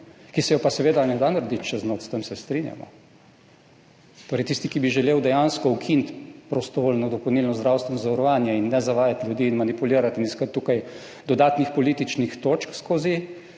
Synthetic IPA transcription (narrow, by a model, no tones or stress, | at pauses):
kisɛjɔpasɛʋeːd̪anɛd̪anaɾd̪it͡ʃt͡ʃɛznot̪st̪əmsɛst̪ɾinja̰mɔ̰ | t̪oːɾɛjt̪ist̪ikibiʒɛleːwd̪ɛjanskɔukʰint̪pɾɔst̪ɔʋoːlnɔd̪ɔpowniːlnɔzd̪ɾaːwst̪ʋɛnɔzaʋɐɾɔʋaːnjɛinːɛzaʋaːjat̪ljud̪iːnmanipuliːɾat̪iniskət̪ːuːkaj | d̪ɔd̪aːt̪nixpɔliːt̪it͡ʃnixt̪oːt͡ʃkskoːzi